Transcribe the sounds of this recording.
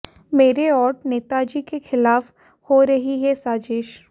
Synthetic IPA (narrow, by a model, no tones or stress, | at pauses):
meːɾeɔːɾʈneːt̪ad͡ʒiːkexɪlaːf | hoɾɐɦiɦɛsaːd͡ʒeːʃ